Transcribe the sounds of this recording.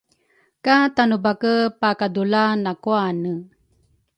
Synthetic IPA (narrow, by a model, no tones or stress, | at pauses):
katanubakəpakadulanakuanə